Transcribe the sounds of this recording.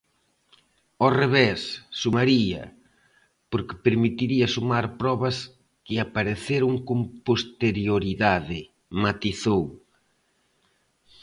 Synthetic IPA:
oreβesːumaɾiɐ̰ | poɾkɪ̥peɾmit̪iɾiɐsumaɾpɾɔβɐs | kɪapaɾeθeɾuŋkompost̪eɾjoɾiðaðɪ | mat̪iθow

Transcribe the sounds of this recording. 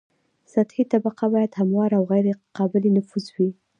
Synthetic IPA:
sat̪hit̪abaqabɑjad̪hamwɑɾawɣajɾeqɑbɪlenʊfuzwi

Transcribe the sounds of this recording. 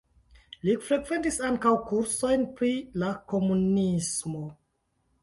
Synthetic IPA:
lifɾe̞ɡve̞ntisaŋkawkuɾso̞jnpɾilako̞munismo̞

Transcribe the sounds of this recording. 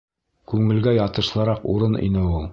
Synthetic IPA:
kʉŋɘ̆lɡæjɑt̪ɤ̆ʃlˠɤ̆ɾɑquɾɤnḭnɘulˠ

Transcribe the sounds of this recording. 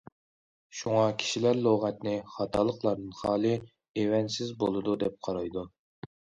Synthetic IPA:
ʃuŋɑkʲʰi̥ʃilæɾlˠoʁɛt̪nɪχɑt̪ʰɑːlˠəqlˠɑɾnɨnχɑːlˠɨ | ewɛnt̪sɪzbolˠɨd̪ud̪ɛp̚qʰɑɾɑjd̪u

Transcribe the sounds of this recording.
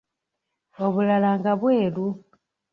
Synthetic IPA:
o̞βulalaŋɡaβwe̞ːlu

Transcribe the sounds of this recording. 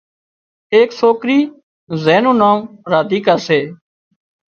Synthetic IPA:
eːksoːkɾiː | zeːnũːnãːmɾaːd̪iːkaːɾseː

